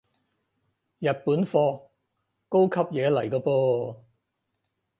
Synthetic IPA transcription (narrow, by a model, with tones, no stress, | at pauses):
jɐ˨t̚puː˨˥nfɔː˧ | ko˥wkʰɐ˥p̚jɛː˨˧lɐ˨˩jkɔː˧poː˧